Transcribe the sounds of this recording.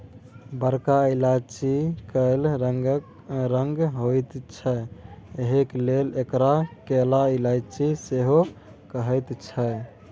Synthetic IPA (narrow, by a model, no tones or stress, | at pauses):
bəɾkailat͡ʃikəɪləɡ | ɾəŋɡɦojt̪t͡ʃʰəeɦeklelekɾakelailad͡ʒt͡ʃiseɦo | kəɦəjt̪t͡ʃʰə